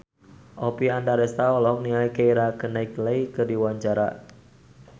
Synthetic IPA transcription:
ʔɔpiandaɾɛst̪aɔlɔŋniaikeiɾakənaikləikɨrdiwaɲt͡ʃaɾa̰

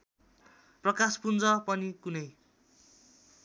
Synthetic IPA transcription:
prʌkaspund͡zʌpʌnikunʌj

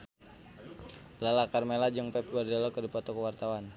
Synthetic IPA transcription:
lalakarmelad͡ʒəŋpɛp̚ɡardɛlɔkərdipɔt̪ɔkəwart̪awan

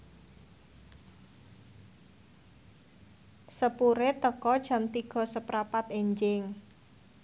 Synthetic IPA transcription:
səpuɾet̪əkɔd̥ʒ̥a̤mt̪iɡ̥ɔ̤səpɾapat̪eɲd͡ʒɪŋ

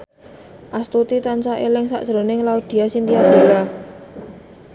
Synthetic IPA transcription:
ʔast̪ut̪it̪ant͡ʃaʔelɪŋsa̰ʔsɾonɪŋlaud̪̥i̤asint̪iabd̥ola

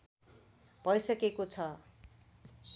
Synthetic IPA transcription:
bʱʌjsʌkekot͡sʰʌ

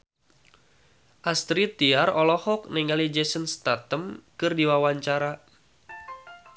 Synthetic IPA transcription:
ʔast̪ɾit̪iarɔlɔhɔk̚nɛŋalid͡ʒɛsənst̪at̪əmkɨrdiwawaɲt͡ʃaɾa

